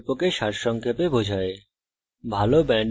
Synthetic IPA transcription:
pokeʃaɾʃɔŋkʰepebod͡ʑʱae | bʱalobɛɳ

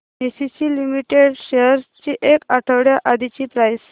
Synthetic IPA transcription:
mesit͡ɕiːlimiʈeɽɕeəɾt͡ɕiːʔekaʈʰəʋɽjaʔad̪ʱit͡ɕiːpɾajs

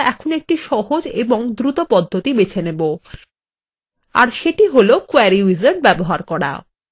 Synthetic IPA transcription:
ʔɛkʰonek̚ʈiʃɔɦod͡ʑeboŋd̪ɾut̪opɔd̪ʱːot̪ibet͡ɕʰenebo | a̰ɾʃeʈiɦolokuɛɾiizon̚bɛboɦaɾkɔɽa̰

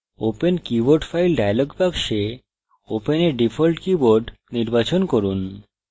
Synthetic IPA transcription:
openkiboɾɖfʰajlɖajaloɡbaɡʃe | openeɾɖifʰolʈkiboɾɖ | niɾbat͡ɕonkoɾun

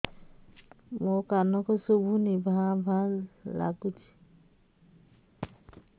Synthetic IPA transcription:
mokanɔkɔsubʱunibʱãbʱalːa̰ɡut͡ʃʰi̥

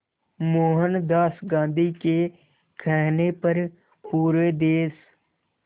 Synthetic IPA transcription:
moːɦənd̪aːsɡãːnd̪ʱike | kʰɛːnepɐɾ | puːɾʋed̪eːs

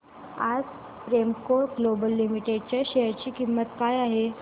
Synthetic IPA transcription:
ad͡z | pɾemkoɾɡlobəlːimiʈeɖ̚t͡ɕaɕɛɦəɾt͡ɕiːkimːət̪kaːjaɦe

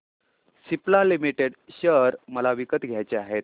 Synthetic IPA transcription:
siplalimiʈeɽɕəɾməlaʋikət̪ɡʱjajt͡ɕeaɦet̪̚

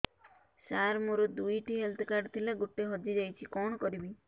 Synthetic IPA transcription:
saɾmoɾɔd̪ujʈiɦelt̪ʰɔkaɾɖt̪ʰileɡoʈːeɦɔd͡ʒid͡ʒajt͡ʃʰikɔɳ̃ɔkɔɾibi

